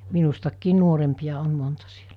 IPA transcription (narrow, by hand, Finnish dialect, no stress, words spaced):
min̞ustɑkːiːn nuorempij̆ɑ on montɑ si̥e̥l̥æ̥